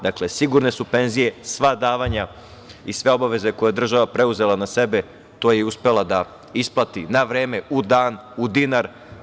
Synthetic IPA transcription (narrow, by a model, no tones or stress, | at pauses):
d̪akle̞siɡuɾne̞supe̞nzije̞sʋad̪aːʋaɲa | isʋe̞o̞baʋe̞ze̞ko̞jed̪r̩ʒaʋapɾe̞uze̞lˠanase̞be̞ | t̪o̞ːjeuspe̞lˠad̪a | isplˠat̪inaʋɾeːme̞ud̪aːnud̪inaɾ